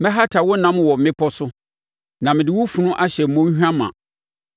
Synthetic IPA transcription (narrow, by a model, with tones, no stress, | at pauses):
mɛ̃˦ɦa˦tʰa˨wʊ˦nã˨˦m˦˨wɔ˨m̩˨mɪ̃˦pʰɔ˦sʊ˦ | nã˨mɪ̃˨dɪ˨wʊ˦fũ˨nʊ̃˦ʔa˦ɕɛ˨m̩˨mõ˦ɲ˦hᶣã˦mã̰˨